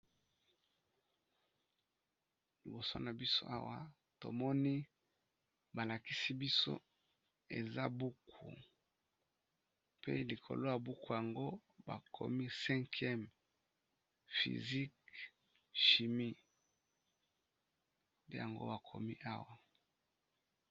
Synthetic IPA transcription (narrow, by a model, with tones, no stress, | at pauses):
li˨bo˨so˦na˨bi˦so̰˦a˦wa˦ | to̰˨mɔ˦ni˦ | ba˨la˨ki˦si˦bi˦so̰˦ | ḛ˨za˦bu˦kʰṵ˨ | pḛ˦li˨kʰo̰˨lo˦ja˨bu˦ku˦ja˨ŋɡo˦ba̰˨kʰo̰˨mi˦sɛ̃˦ŋkʰjɛ˦m | fḭ˨zi˦k | ʃi˨mi˦ | pe˦ja˨ŋɡo̰˦ba˨kʰo̰˨mi˦ʔa˦wa˨